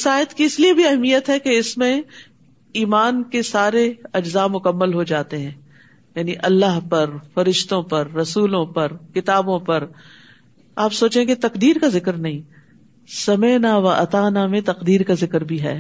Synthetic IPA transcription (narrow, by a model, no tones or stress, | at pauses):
saːjɪət̪kiɪsliebʱiɐɦmijət̪ɦɛkeɪsmẽ | iːmaːnkesaːɾeɐd͡ʒzaːmʊkəmːəlɦod͡ʒaːt̪eɦɛ̃ː | jaːniʔɐlːaːɦpɐɾfɐɾɪʃt̪õpɐɾːɐsuːlõpɐɾkɪt̪aːbõpɐɾ | aːpsoːt͡ʃeɦẽket̪ɐqd̪iːɾkazɪkɾnɐɦĩː | sɐmeːnaʋɐʔɐ̰t̪aːnamẽt̪ɐqd̪iːɾkazɪkɾbʱiɦɛ̰ː